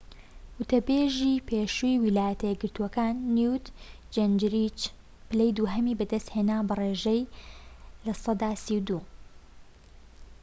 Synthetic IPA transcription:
wɨt̪ɐbeːʒiːpʰeːʃujwilaːjɐt̪ɐjɛɡɨɾt̪uwɐkaːnːuwt̪ | d͡ʒend͡ʒɾit͡ʃ | bɪlɛjd̪uːɦɐmiːbɨd̪ɐst̪heːnaːbɐreːʒɛj | lɐsˤɑd̪aːsiwd̪uː

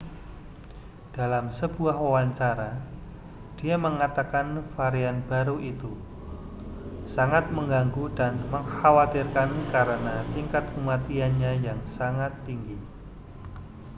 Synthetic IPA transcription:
d̥alamsəbuahwawaɲt͡ʃaɾa | d̥iaməŋat̪akanfaɾianb̥aɾuʔit̪u | saŋat̪̚məŋɡaŋɡudanməŋhawat̪irkankaɾənat̪iŋkat̪̚kəmat̪ianɲajaŋsaŋat̪ːiŋɡi

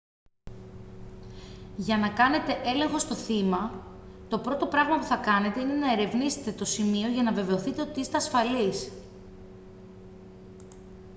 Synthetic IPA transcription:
ʝɐnɐkɐne̞t̪e̞ʔe̞le̞ŋxo̞st̪o̞θimɐt̪o̞pɾo̞t̪o̞pɾɐɣmɐpuθɐkɐne̞t̪e̞ine̞nɐe̞ɾe̞vnise̥t̪e̞t̪o̞simio̞ʝɐnɐve̞ve̞o̞θit̪e̞ot̪iist̪eɐsfɐlis

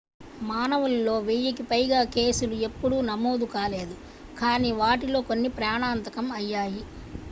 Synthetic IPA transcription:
maːnɐʋulːo̞ːʋiːjɐk̬ipɐjɡaːke̞ːsulue̞pːuɽunɐmo̞ːd̪ukaːle̞ːd̪u | kaːniːʋaːʈilo̞ːkonːipɾaːɳaːnt̪ɐkɐmɐjːaːji

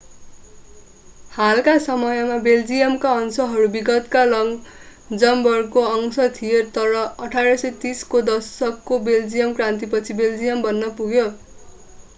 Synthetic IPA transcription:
halkasʌmʌjʌmabeld͡zijʌmkaʌnsʌɦʌɾubiɡʌt̪kalʌŋd͡zʌmbʌrkoʌŋsʌt̪ʰijet̪ʌɾʌʌʈʰaɾʌsʌjt̪iskod̪ʌsʌkːobeld͡zijʌmkrant̪̬ipʌt͡sʰibeld͡zijʌmbʌnːʌpuɡjo

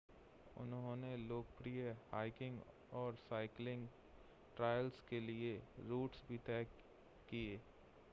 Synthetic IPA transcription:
ʊ̰nɦõːneloːɡpɾijəhaːɪkɪ̃ŋɡ | ɔːɾsaːɪklɪ̃ŋɡ | ʈɾaːjəlskelieɾuːʈsbʱit̪ɛːkː | ieː

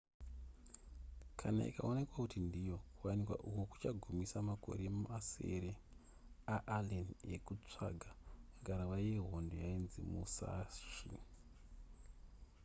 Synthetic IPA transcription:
kʰana̰ḭka̰one̞kwakutindijo̞kuwanikwa̰ʔukoku̥t͡ʃaɡʱumisamako̞̰ɾemuʔasḛɾe | aʔalenḛkut͡ʂa̰ɡʱaaɡʱaɾaʋajeɦo̞ndo̞jainzimṵsa̰ʃḭ

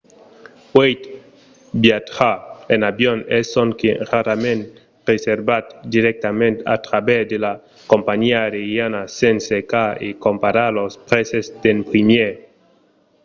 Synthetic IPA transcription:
wejt̪ | bjat̪χaenabjonesoŋkeraɾamẽnt̪ | reseɾbat̪d̪iɾek̚t̪amẽnt̪a̰t̪ɾabesd̪ela | kompaɲiaɾejanasensekaḛkompaɾalospɾesesd̪empɾimje

